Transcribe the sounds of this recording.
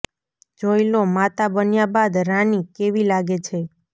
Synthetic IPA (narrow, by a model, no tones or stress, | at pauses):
d͡ʒoilomat̪abənjabad̪ɾanikeʋilaɡet͡ʃʰe